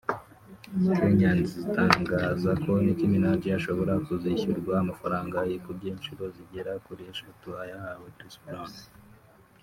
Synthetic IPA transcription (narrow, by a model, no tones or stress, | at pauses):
keɲaːnzizitaːŋɡaːzakʰo̞niciminaːɟiaʃo̞βo̞ɾakuziçiɾɡwaamafaɾaːŋɡajekubɟeːnʃiɾo̞ziɟeɾakuɾieʃatuajahawekɾisplan